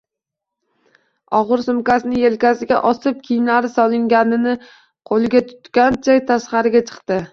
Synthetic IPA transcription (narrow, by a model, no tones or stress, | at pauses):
ɒʁɨɾsʊmkʲasɪnɪjelkʲasɪɡʲa̰ʔɒsɪp̚kʲʰijmlaɾɪsɒlˠɪŋɡʲanɪnɪ | qʰolɪɡʲat̪ʰʊ̥t̪kʲant͡ʃʰajt̪ʰasqɑɾɪɡʲat͡ʃʰɨ̥qt̪ɪ